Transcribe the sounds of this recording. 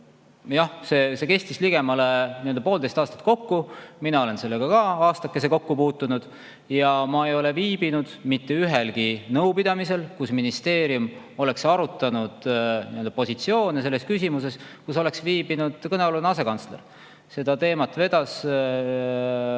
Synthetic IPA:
jɑhse̞ːse̞ke̞st̪isliɡ̥e̞mɑleniøld̪ɑpo̞ːld̪e̞jst̪ɑːst̪ɑ̥t̪̚ko̞kːuminɑo̞le̞nse̞lːeɡ̥ɑkɑɑːst̪ɑkːeseko̞kːupuːt̪ːunud̪̥ | jɑmɑejo̞le̞viːb̥inud̪̥mit̪ːe̞yɦelɡinɤwpid̪̥ɑmise̞lkusminist̪e̞ːɾium | o̞le̞ksɑɾut̪ːˑɑnud̪̥niøld̪ɑpo̞sit̪sio̞ːnese̞lːeskysʲimuse̞skuso̞le̞ksviːbinud̪̥kɤneolunɑs̬e̞kɑnsle̞r | se̞d̪̥ɑt̪e̞ːmɑt̪ːve̞d̪̥ɑs

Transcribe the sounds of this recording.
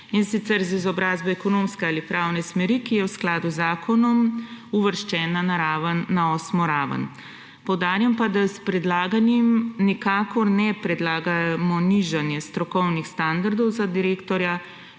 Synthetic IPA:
insit̪sɛɾzizɔbɾaːzbɛɛkɔnoːmskɛaːlipɾaːwnɛsmɛɾikijɛwsklaːd̪uzaːkʰɔnɔmuʋəɾʃt͡ʃɛːnanaɾaːʋənːaɔːsmɔɾaːʋə̰n | pɔwd̪aːɾjampad̪aspɾɛd̪laːɡanjimnikaːkɔɾnɛpɾɛd̪laːɡamɔniʒanjɛst̪ɾɔkɔwnixst̪and̪aɾd̪ɔwzad̪iɾekt̪ɔɾja

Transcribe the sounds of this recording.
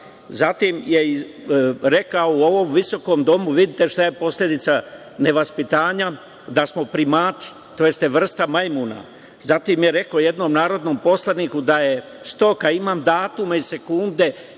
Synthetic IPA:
zat̪imjei | ɾekaouo̞ʋo̞mʋiso̞ko̞md̪o̞muʋid̪it̪e̞ʃt̪aje̞po̞sʎʲed̪it̪sa | ne̞ʋaspit̪aːɲa | d̪asmo̞pɾimaːt̪i̥ | t̪o̞jest̪eʋr̩st̪amajmuna̰ | zat̪imje̞ɾe̞koje̞d̪no̞mnaːɾo̞d̪no̞ːmpo̞slˠanikud̪aje̞ | st̪o̞kaimaːmd̪aːt̪umaise̞kund̪e̞

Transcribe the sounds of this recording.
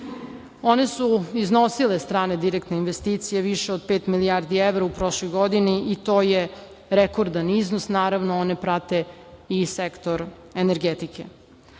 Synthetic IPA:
o̞ne̞suizno̞silest̪ɾaːne̞d̪iɾekt̪neinʋest̪iːt̪sijeʋiʃeod̪̚peːt̪milijaɾd̪ieʋɾaupɾo̞ʃlˠojɡod̪iniit̪oːje | ɾekoɾd̪aniznosnaːɾaʋnoone̞pɾat̪e̞isekt̪o̞ɾ | eneɾɡet̪ikʰḛ

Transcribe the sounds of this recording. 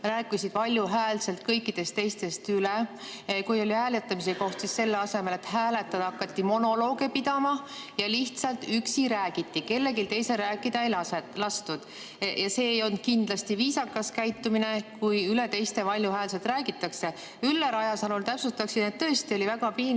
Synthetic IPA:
ræːkːˑisid̪̥pɑlʲjuɦæːlse̞lt̪kɤjkːid̪̥e̞st̪ːe̞jst̪e̞st̪yle | kujo̞lʲiæːlet̪ːˑɑmis̬eko̞ht̪sisse̞lːeɑse̞me̞le̞t̪ɦæːle̞t̪ːˑɑd̪ɑkːˑɑt̪ːimo̞no̞lo̞ːɡ̥e̞pid̪̥ɑmɑjɑliht̪sɑlt̪yksiɾæːɡ̥it̪ːike̞lːeɡilt̪e̞jse̞ɾæːkːˑid̪̥ɑejlɑelɑst̪ud̪̥ | jɑse̞ːjo̞n̚kind̪̥lɑst̪iviːsɑkːˑɑskæjt̪ːˑumine̞kujylet̪e̞jst̪e̞vɑlʲjuɦæːlse̞lt̪ræːɡit̪ːˑɑkse̞ | ylːeɾɑjɑsɑnult̪æpsut̪ːˑɑksid̪net̪t̪ɤ̞est̪io̞livæɡ̥ɑpi

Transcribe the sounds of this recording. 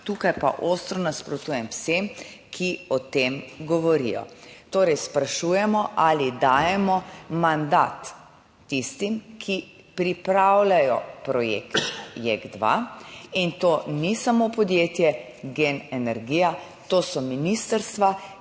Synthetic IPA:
t̪uːkajpa̰ʔost̪ɾɔnaspɾɔt̪uːjɛmwsem | kʰiɔt̪emɡɔʋɔɾḭjɔ̰t̪oːɾɛjspɾaʃuːjɛmɔʔalid̪aːjɛmɔmand̪a̰ːt̪ː | ist̪imkʰi | pɾipɾawlajɔpɾɔjḛkt̪jeɡd̪ʋa̰int̪oːnisamopɔd̪jeːt̪jɛ | ɡenɛnɛɾɡiːja | t̪oːsɔminist̪əɾst̪ʋa

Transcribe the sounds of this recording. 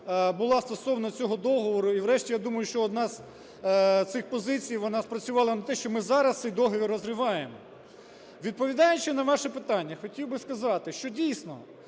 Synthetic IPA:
bʊlˠɑst̪ɔsɔʋnɐt͡sʲɔɦɔd̪ɔɦɔʋɔɾʊiʋɾɛʃtʲijad̪umɐjʊʃt͡ʃɔːd̪nɑz | t̪sɪxpɔzɪt͡sʲijʋɔnɑspɾɐt͡sʲʊʋɑlˠɐnɐt̪ɛʃt͡ʃɔmɪzɑɾɐst̪sɪjd̪ɔɦɔʋʲiɾɔzrɪʋɑjemɔ | ʋʲid̪̚pɔʋʲid̪ɑjʊt͡ʃɪnɐʋɑʃɛpɪt̪ɑnʲːɐxɔtʲiwbɪskɐzɑt̪ɪʃt͡ʃɔdʲijsnɔ̰

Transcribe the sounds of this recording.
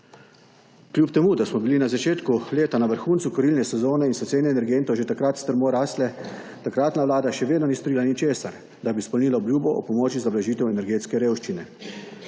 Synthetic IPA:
kljuːpt̪ɛmud̪asmɔbilinazat͡ʃeːt̪kuleːt̪anaʋəɾxuːnt̪sukɔɾiːlnɛsɛzoːnɛinsɛt̪seːnɛɛnɛɾɡent̪ɔwʒet̪akɾat̪st̪əɾmoɾaːslɛ | t̪akɾaːt̪naʋlaːd̪aʃɛʋeːd̪nɔnist̪ɔɾilanit͡ʃeːsaɾ | d̪abispɔlniːlaɔbljuːbɔʔɔ̰pɔmɔːt͡ʃizablaʒiːt̪ɛwɛnɛɾɡeːt̪skɛɾeːwʃt͡ʃinɛ

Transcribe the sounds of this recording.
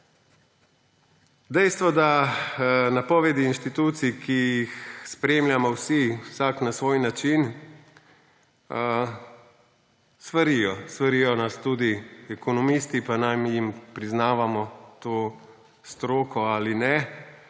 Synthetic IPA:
d̪ɛjst̪ʋɔd̪a | napɔʋɛd̪iːnʃt̪it̪uːt̪sikʰijixspɾeːmljamɔwsiwsaknasʋoːjnat͡ʃin | sʋaɾijɔsʋaɾijɔnast̪uːd̪iɛkɔnɔmist̪ipanamjimpɾiznaːʋamɔt̪oː | st̪ɾoːkɔaːlinɛ

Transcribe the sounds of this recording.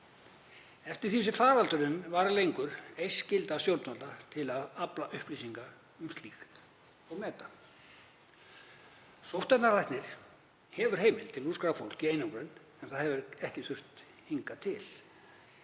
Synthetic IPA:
ɛft̪ɪɾ̥θis̬ɪfaːɾalt̪ʏɾɪnvaɾlejŋkʏɾ̥ejscɪlt̪asjowɾt̪nɔlt̪at̪ʰɪlaðaplaʔʏhpliːsiŋka | ʏmst̪lixt̪ | ɔɣmɛːt̪a | sowht̪ɛnːarajht̪nɪɾ̥ | hɛvʏɾ̥ɦeːjmɪlt̪ʰɪluskɾafowl̥ciejnoŋkɾɪn | ɛnθaðhɛvʏɾɛhcɪsʏr̥t̪ | hiŋkat̪ʰɪl

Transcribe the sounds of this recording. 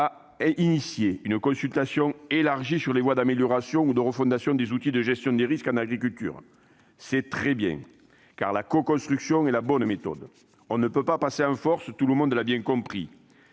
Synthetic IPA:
a | inisjeynəkɔ̃sylt̪asjɔ̃elaʁʒisyʁlevwad̪ameljɔʁasjɔ̃ud̪əʁəfɔ̃nd̪asjɔ̃d̪ezut̪id̪əʒɛst̪jɔ̃d̪eʁiskɑ̃naɡʁikylt̪y̰ʁ | sɛt̪χɛbjɛ̰̃ŋ | ka̰ʁlakɔkɔ̃st̪χyksjɔ̃ɛlabɔnmet̪ɔ̰d̪ | ɔ̃nəpøpapaseɑ̃fɔʁsət̪uləmɔ̃nd̪əlabjɛ̃ŋkɔ̃pχi

